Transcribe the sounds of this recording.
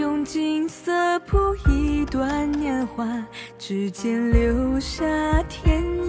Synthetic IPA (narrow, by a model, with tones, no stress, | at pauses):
ʊ˧ŋt͡ɕi˥˧ŋsə˧pʰu˥i˧˥t̪wa˧˥njɛ˥˧nxwa˧ʈ͡ʂɻ̩˧˥t͡ɕjɛ˥nljo˧˥ʊɕja˥t̪ʰjɛ˧˥n